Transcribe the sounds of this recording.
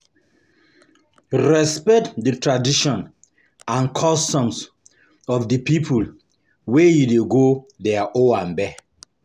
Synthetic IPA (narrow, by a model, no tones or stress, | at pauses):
ɹɛspɛtdətʰɹadiʃɔ̃n | ãnkʰɔstɔ̃ms | ɔfdəpipʰul | wejudeɡoðɛaʔoãnbɛ